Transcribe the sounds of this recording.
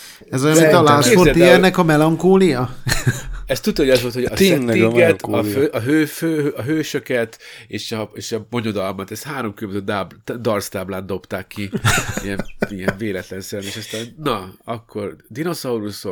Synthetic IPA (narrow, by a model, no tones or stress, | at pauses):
ɛzojnmint̪ɒlaːsorijɛrnɛkɒmɛlɒŋkoːlijɒ | ɛst̪ut̪ːhoɟɒzvolt̪ʰhoɒseɛt̪ːiɡɛt̪ʰɒføʔɒɦøːføːɒɦøːʃø̞kɛt̪eːʃɒeːʃɒbo̞ɲo̞d̪ɒlmɒt̪ɛst̪haːɾo̞mkybzød̪ab̪d̪ɒrst̪aːblaːnd̪o̞pt̪aːkːiḭɛnijɛɱveːlɛt̪lɛnsɛɾɛneːʃɒst̪aːnnɒɒkʰːo̞rd̪ino̞sɒuɾuso